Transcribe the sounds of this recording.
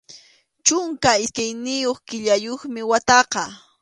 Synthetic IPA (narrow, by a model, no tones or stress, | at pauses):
t͡ʃʊŋkaɪskajnɪjoχkɪʎajoχmɪwat̪ɑqɑ